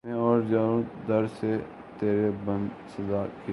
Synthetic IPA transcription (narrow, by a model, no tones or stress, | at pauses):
ẽɔːɾd͡ʒaːɾũd̪ɐɾse | t̪eːɾebə̃n | səzaːki